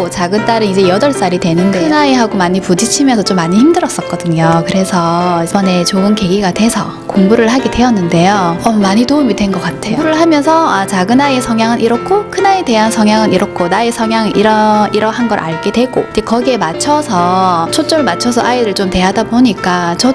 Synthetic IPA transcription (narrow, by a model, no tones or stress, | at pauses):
ot͡ɕaɡɯnt͈aɾɯnid͡ʑe̞jʌdʌɭs͈aɾidwe̞nɯndeɯnaiɦaɡomaɲipud͡ʑit͡ɕʰimjʌnsʰʌt͡ɕ͈omːaɲiçimdɯɾʌs͈ʌk̚k͈ʌdɯɲokɯɾe̞sʰʌbʌne̞t͡ɕoɯnke̞ɡiɡatwe̞sʰʌ | koŋbuɾɯɭɦaɡedwe̞ʌnːɯnde̞joʌmaɲitoumidwe̞nɡʌk͈atʰejouɾɯɭhamjʌnsʰʌat͡ɕaɡɯnaesʰʌŋjaŋɯnʔiɾʌkʰokʰɯnaite̞ɦansʰʌŋjaŋɯniɾʔʌkʰonaesʰʌŋjaŋiɾʌiɾʌɦanɡʌɾʔa̰ɭɡe̞dwe̞ɡod͡ʑekʌɡie̞mat͡ɕʰʌsʰʌt͡ɕʰot͡ɕ͈oɾɯɭmat͡ɕʰʌsʰʌʔaiɾɯɭt͡ɕomte̞ɦadaboɲik͈at͡ɕʌ